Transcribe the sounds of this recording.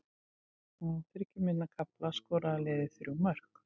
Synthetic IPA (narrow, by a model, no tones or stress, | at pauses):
ɔɣθɪɾɛcɪmɪnːakʰaplaskɔːɾalɛːðɪθɾjmœr̥k